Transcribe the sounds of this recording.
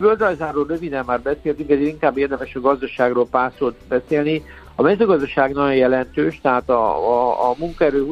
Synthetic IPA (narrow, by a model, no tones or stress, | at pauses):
vøld̪rɒjzaːrːoːlrøvid̪ɛmmaːrbɛseːlt̪yŋkɛzeːɾiŋkaːbːeːrd̪ɛmɛʃɒɡɒzd̪ɒʃaːɡroːlpaːsoːt̪bɛseːlni | ɒmɛzøːɡɒzd̪ɒʃaːɡnɒjojɛlɛnt̪øːʃt̪ɛɦaːt̪ɒ̰ː | muŋkɒɛɾøː